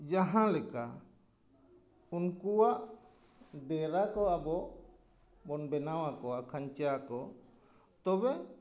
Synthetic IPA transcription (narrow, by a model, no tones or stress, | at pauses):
d͡ʒaɦãlɛka | unkuwaʔ | bɛɾakɔabɔʔ | bɔnbɛnawakɔakʰaɲt͡ʃakɔ | t̪ɔbɛ